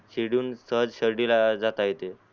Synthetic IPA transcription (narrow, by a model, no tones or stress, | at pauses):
ɕiɽuːnsəɦəd͡zɕəɾɖilad͡zat̪ajet̪e